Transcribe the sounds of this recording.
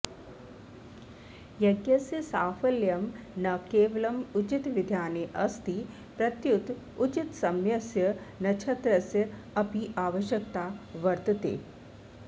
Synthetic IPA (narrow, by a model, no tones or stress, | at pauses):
jɐɡjɐsjɐsaːfɐljɐmnɐkeːʋɐlɐmut͡ʃit̪ʋɪd̪ʱjaːneʔɐst̪i | pɾɐt̪jut̪ | ut͡ʃit̪sɐmjɐsjɐnɐt͡ʃʰɐt̪ɾɐsjɐ | ɐpiʔaːʋɐʃjɐkt̪aːʋɐɾt̪ɐt̪ḛː